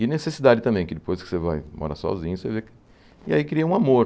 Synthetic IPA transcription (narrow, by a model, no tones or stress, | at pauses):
ɪnesesid̪ad͡ʒɪt̪ɐ̃mbẽj̃kɪd̪ɪpojskɪ̥sevajmɔ̰ɾa̰sɔ̰zĩɲʊsevekɪ̥ | ɪa̰ikɾiɐũamoɾ